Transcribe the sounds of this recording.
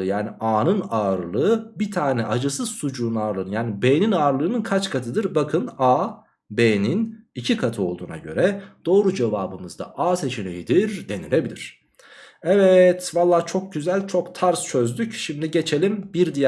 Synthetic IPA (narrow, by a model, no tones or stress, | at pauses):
ɯjaːniʔaːnɯnaɯɾlˠɯɯbit̪ʰaːnɛʔad͡ʒɯsɯzsud͡ʒuːnaːɾlˠɯnjaːnibeːninaːɾlˠɯːnɯnkʰat͡ʃkʰat̪ʰɯd̪ɯɾbakʰɯnaː | beːninicʰikʰat̪ʰɯo̞lˠd̪uːna̰ɟø̞̰ɾɛd̪̥o̞ːɾud͡ʒevaːbɯmɯzd̪a̰ʔaːse̞t͡ʃʰinḛjid̪iɾd̪e̞nḭlʲe̞bilʲiɾ̝̥ | ɛvɛt̪valˠːaːt͡ʃʰo̞k̚ɟyzælʲt͡ʃʰo̞kt̪ʰaɾst͡ʃʰø̞zd̪ycʃimd̪iɟe̞t͡ʃʰe̞lʲimbiɾd̪ij